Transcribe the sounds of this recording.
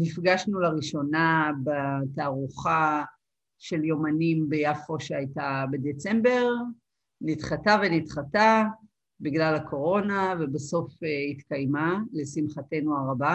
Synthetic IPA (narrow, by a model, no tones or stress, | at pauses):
nifɡaʃnulaʁiʃo̞nabataːʁuχa | ʃe̞ljomanimbejafo̞ʃeajtabe̞d̪e̞t͡sembe̞ʁ | nit̪χatavenitχata | biɡlalako̞ʁo̞nave̞baso̞feitkajmale̞simχate̞nuaʁaba